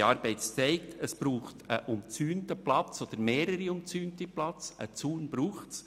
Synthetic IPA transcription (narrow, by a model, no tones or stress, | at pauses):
ɑːɾbɛɪtst͡sɛɪkt̪ʰəsb̥ɾuːχtʰəʔʊmt͡syːntəplɑt͡sod̪̥əɾmeːɾəɾiʊmt͡syːntiplɑt͡sə̰t͡suːnbɾuːχts